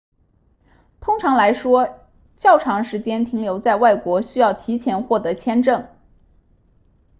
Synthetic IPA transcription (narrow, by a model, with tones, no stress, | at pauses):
t̪ʰʊ˥ŋʈ͡ʂʰɑ˧˥ŋla˧˥ɪʂwɔ˥ | t͡ɕjɑ˥˩ʊʈ͡ʂʰɑ˧˥ŋʂɻ̩˧˥t͡ɕjɛ˥nt̪ʰi˧˥ŋljo˧˥ʊt͡sa˥˧ɪwa˥˩ɪkwɔ˧˥ɕy˥jɑ˥˩ʊt̪ʰi˧˥t͡ɕʰjɛ˧˥nxwɔ˥˩t̪ɤ˧˥t͡ɕʰjɛ˥nʈ͡ʂɤ˥˩ŋ